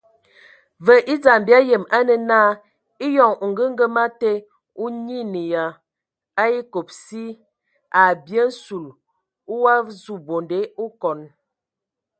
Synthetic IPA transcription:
və˨ʔi˦d͡za˨m˨bja˦jə˨ma˦nə˨na˦ | i˦jɔ˨ŋ˨ŋ̩˨ɡə˦ŋ̩˦ɡə˦ma˦te˦ | u˦ɲi˦ni˨ja˨ | a˦i˦ko˨p̚si˦ | a˨bjə˦n̩˦su˨l | u˦wa˦zu˦˨bo˨nde˦u˦kɔ˨n

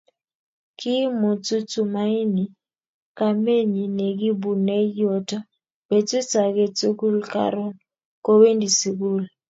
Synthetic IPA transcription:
ki˦mɔ˨t͡su˦t͡su˨ma˦i˦ni˨ | ka˨me˦ɲi˨nɛ˨ɡi˦bu˨nɛ˦jɔ˦ta˦ | bɛ˨t͡swi˦t͡sa˨kɛ˦t͡su˦ku˦lka̰˦˨ɾɔ˦n | kɔ˦we˦ndi˨si˨ku˦l

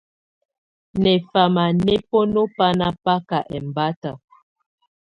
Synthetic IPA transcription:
nɛ˨fa˨ma˨nɛ˦po˦no˦pa˦na˦pa˦ka˨ʔɛ˨m˨ba˦ta˨

